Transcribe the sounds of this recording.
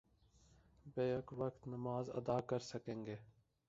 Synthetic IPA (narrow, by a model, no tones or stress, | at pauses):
beːəkʋəkt̪nəmaːzɐ̰d̪aːkəɾsəkẽːŋɡeː